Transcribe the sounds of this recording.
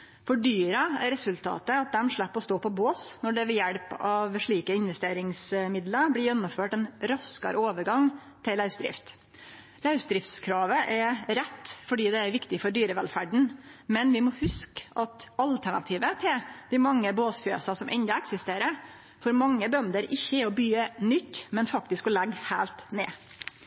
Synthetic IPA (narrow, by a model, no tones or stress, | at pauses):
fɔɖyːɾɑæ̰ɾɛsʉlt̪ʰɑ̰ːt̪əɑt̪̚d̪ɛmʂɭæpːɔst̪oːpʰɔboːsnɔɖɛʋɛjæɽpɑʋʂɭiːkəɪnʋɛst̪eːɾɪŋsmɪd̪ləɾblɪjɛnːʊmføːʈɛnɾɑskɑ̰ɾoːʋəɾɡɑŋ | t̪ʰɪlːɑʉsd̪ɾɪ̰ft̪ | læʉsd̪ɾɪft̪skʰɾɑːʋəʔɛɾɛt̪ːfɔɖiːd̪ɛæɾʋɪkt̪ɪfɔɖyːɾəʋɛlfæɖɳ̩mɛnʋɪmɔhʉskʔɑt̪ɑlt̪ʰæɳɑ̰t̪ʰiːʋət̪ʰɛd̪ɪmɑŋːəboːsfø̰ːsɑsɔmʔɛnd̪ɑɛksɪst̪eːɾə | fɔɾmɑŋːəbœnd̪əɾɪçːəɛɾɔbyːənʏt̪ːmɛnfɑk̚t̪ɪskɔlɛɡhæːlt̪nḛː